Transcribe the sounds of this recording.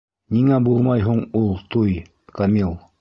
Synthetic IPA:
nʲiŋæbulˠmɑjɦuɴulˠt̪uj | kamilˠ

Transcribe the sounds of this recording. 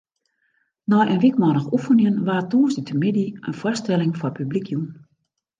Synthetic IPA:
nɔjənʋikmɔnəxufənjənʋaːtoːsditʰəmɪdiə̰nfwɔrstɛlɪŋfɔrpʰyblikʰjum

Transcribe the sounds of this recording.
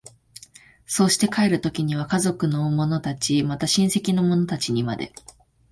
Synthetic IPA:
so̞ːɕi̥t̪e̞kae̞ɾɯ̟t̪o̞kʲiɲ̟iβ̞akazo̞kɯ̟no̞mo̞no̞t̪at͡ɕimat̪aɕĩɰ̃se̞kʲino̞mo̞no̞t̪at͡ɕiɲ̟ima̰d̪e̞̰

